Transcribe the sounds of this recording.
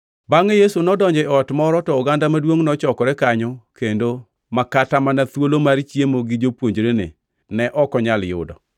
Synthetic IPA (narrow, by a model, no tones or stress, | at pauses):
baŋejesunɔdɔɲd͡ʒɛɔtmɔɾɔtɔʊɡandamadwoŋnɔt͡ʃɔkɔɾɛkaɲɔkendo | makatamanat̪wolomaɾt͡ʃjemoɡɪd͡ʒopwoɲd͡ʒɾenḛ | nɛʔɔkɔɲaljʊ̰dɔ̰